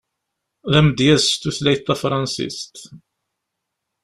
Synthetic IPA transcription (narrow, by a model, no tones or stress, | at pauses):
ðæmd̪jæst̪uθlæjt̪ːɑfɾˤɑnsḭst̪